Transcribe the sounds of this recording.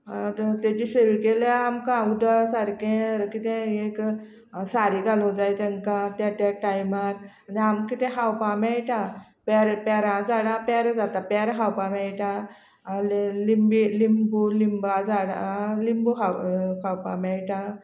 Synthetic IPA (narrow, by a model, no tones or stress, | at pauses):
t̪et͡ɕiseʋikelaamkãud̪asaɾkẽɾkit̪ɛ̃ek | saɾiɡalũd͡zajt̪ɛ̃ŋkãt̪at̪aʈajmaɾaniamkit̪ɛ̃ɦawpamɛjʈa | pɛɾpɛɾãd͡zaɽãpɛɾd͡zat̪apɛɾɦawpamɛjʈã | limbilimbulimbad͡zaɽa̰limbuɦakʰawpã̰mɛɭʈã